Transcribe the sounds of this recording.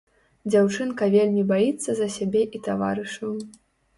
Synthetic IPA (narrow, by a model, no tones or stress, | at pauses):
d͡zʲawt͡ʂɨnkɐvʲelʲmʲibajit̪sːɐzɐsʲabʲɛʔit̪ava̰ɾɨʂu